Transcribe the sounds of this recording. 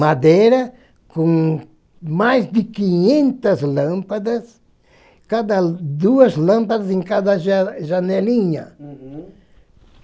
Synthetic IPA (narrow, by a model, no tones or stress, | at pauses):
mad̪eɾa | kõŋ | majsd̪ɪkiɲẽnt̪aslãmpad̪as | kad̪ad̪uɐslãmpad̪as̬ẽŋkad̪aʒʒaneliɲa